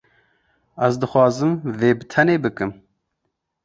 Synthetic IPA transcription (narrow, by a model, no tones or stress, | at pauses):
æzd̪ɨxwɑːzɨmveːbɨt̪ʰɛneːbɨkɨm